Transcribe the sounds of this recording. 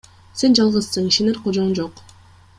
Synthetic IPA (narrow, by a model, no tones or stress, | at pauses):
se̞nd͡ʒɑlˠʁɯssɯŋiʃeneɾqʰod͡ʒond͡ʒoq